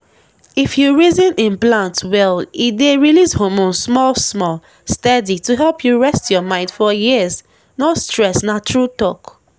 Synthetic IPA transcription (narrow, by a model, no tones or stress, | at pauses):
ifjuɹizĩnĩnplãntwɛlideɹilishomõnsmɔlsmɔl | stɛdituɦɛlpʰjuɹɛstjɔmãɪ̃ndfɔjiz | nostɹɛsnat͡ʃɹultɔk